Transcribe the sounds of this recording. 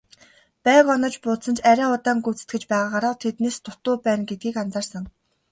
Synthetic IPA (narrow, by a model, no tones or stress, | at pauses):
pæːkɔnɞ̆t͡ɕpʊːt̪sə̆nt͡ɕæɾʲæːʊt̪aːŋɡut͡sɘ̥̆t̪ɡɘ̆t͡ɕpæːʁaːʁaɾaːwt̪ʰet̪neːst̪ʊt̪ʊːpæːnɡet̪̚ɡiːkant͡saːrsə̆ŋ